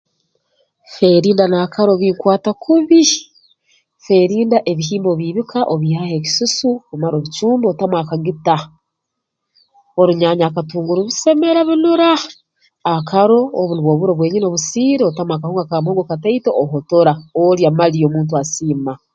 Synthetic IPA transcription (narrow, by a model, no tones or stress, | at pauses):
fe̞ɾiːndanakaɾo̞βiːŋkwaːtakʰuβi | fe̞ɾiːndaʔe̞βiɦiːmboβiːβikʰaʔoβihahe̞ki̥susukumaɾoβit͡ʃuːmbotamwaːkaŋɡita | o̞ɾuɲaːɲaːkatuːŋɡuɾuβise̞me̞ɾaβinuɾaː | kaɾo̞ːβuniβwo̞βuɾoβwe̞ɲino̞βusiːɾeotamwakahuːŋɡakamhoːŋɡokataitoʔoɦoto̞ɾaoɾjamalio̞ːmuːnt̬uasiːma